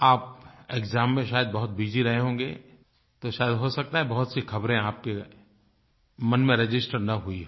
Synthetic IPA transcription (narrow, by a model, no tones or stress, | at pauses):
aːpeːkzaːmːẽʃaːjəd̪̚bɐɦʊt̪̚biːd͡ʒiɾɐɦeɦõ̆ːɡḛː | t̪oʃaːjəd̪ɦosɐk̚t̪aɦɛbɐɦʊt̪sixɐbɾẽaːp̚ke | mɐnmẽɾɪd͡ʒɪsʈəɾnɐɦui